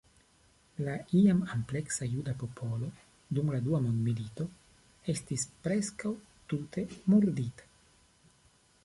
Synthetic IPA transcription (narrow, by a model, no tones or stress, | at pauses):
laʔiamample̞ksajudapo̞pʰo̞lo̞ | dumladuamondmilito̞ | e̞stispɾe̞skaw | tutʰe̞muɾditḁ